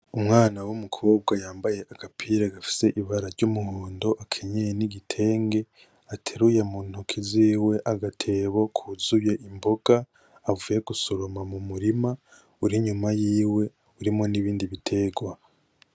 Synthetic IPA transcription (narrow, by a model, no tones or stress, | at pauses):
umŋaːnawumukʰoːb̚ɡajaːmbaje̞akapʰiːɾeɡafi̥se̞ʔiβaɾaɾɟumuhoːndo̞ʔakʰe̞ɲejeniɡitʰe̞ːŋɡe̞ | atʰeɾujemuːn̥okʰiziːwe̞ʔaɡatʰe̞ːβo̞kʰuzuje̞ʔimbo̞ɡ̥aː | vuje̞ɡusoɾomamumuɾima | uɾiɲumajiːwe̞ | uɾimo̞niβiːndiβitʰe̞ɡwa